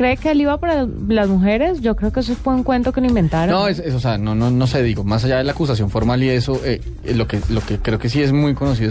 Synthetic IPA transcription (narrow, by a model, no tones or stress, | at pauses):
kɾeːkealiβapaɾalazmuxe̞ɾesʝo̞kɾe̞okees̬oesfweŋkwe̞nt̪okeloĩmbe̞nt̪aɾnoesesoseanonono̞se̞ðiɣo̞masaʝaðe̞laːkus̬as̬jo̞ɱfo̞ɾmalie̞soʔe | lo̞kelo̞kekɾe̞oke̞s̬ie̞zmujko̞nos̬iðo